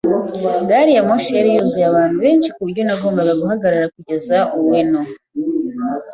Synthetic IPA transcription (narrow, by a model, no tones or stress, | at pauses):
ɡaːɾijamoʃeɾijuzujaβaːn̥huβe̞ːnʃi̥kuβuɾɟo̞naɡoːmbaɡaɡuɦaɡaɾaɾakuɟe̞zaʔuweno